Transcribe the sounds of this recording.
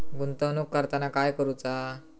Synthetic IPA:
ɡunt̪ənukːəɾt̪anakajkəɾut͡sa

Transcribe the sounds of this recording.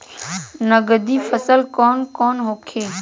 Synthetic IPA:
nəɡəd̪iːfəsəlkɔːnkɔːnɦoːkʰeː

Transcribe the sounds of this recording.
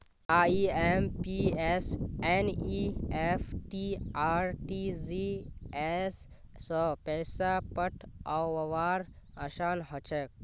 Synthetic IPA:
aːiːeːmpieseniːefʈiaːɾʈizies | səpɛːsapəʈʰawʋɐʋaːɾ | ɐʃaːnɦət͡ʃek̚

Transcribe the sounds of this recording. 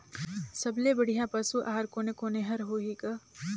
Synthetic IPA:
sɐblebəɽ̤ijãpɐsuʔaːɦɾkoːnekoːneɦɐɾɦoːɦikɐ

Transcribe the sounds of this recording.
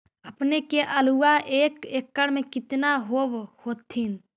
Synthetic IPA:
əpnekeʔəluːaʔeːkeːkːəɽmẽkɪt̪naɦoːʋhoːt̪ʰːiːn

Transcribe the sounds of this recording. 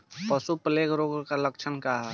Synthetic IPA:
pəsupəleɡɾoɡkalək̚t͡ʃʰənkaɦ

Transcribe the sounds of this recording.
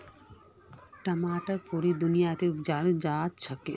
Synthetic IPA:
ʈɐmaːʈɐɾpuɾid̪unijat̪iupd͡ʒaɽd͡ʒaːtt͡ʃʰɐke

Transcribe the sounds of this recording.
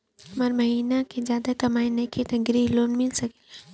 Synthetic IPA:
ɐmaɾmɐɦiːnakʰezjaːd̪akɐmaːĩnɐkʰit̪ɐɡɾiloːnmɪlsɐke

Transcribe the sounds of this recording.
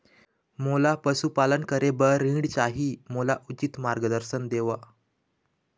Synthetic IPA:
molapəsupalənkəɾebəɾːĩɽt͡ɕaɦiːmolaʔut͡ɕit̪maɾɡəd̪əɾsənd̪eʋa

